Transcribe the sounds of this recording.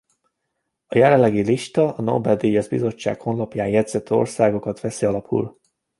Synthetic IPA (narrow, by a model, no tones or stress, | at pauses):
ɒjɛlɛlːɛɡiliʃt̪ɒɒno̰bɛd̪ijɒzbḭzo̞t͡ʃːa̰ːkho̞nlɒpjaːnjɛd̪zɛt̪ːo̞̰rsaːɡo̞kɒt̪ʋɛsiɒlɒpʰṵl